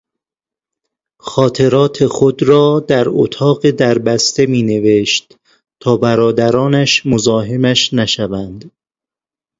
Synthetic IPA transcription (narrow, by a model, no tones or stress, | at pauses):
xɒːt̪ʰe̞ɾɒːt̪ʰe̞xod̪ɾɒːd̪æɾo̰t̪ʰɒːɢed̪æɾbæst̪e̞miːne̞ve̞ʃt̪ | t̪ʰɒːbæɾɒːd̪æɾɒːnæʃmozɒːɦe̞mæʃnæʃævænd̪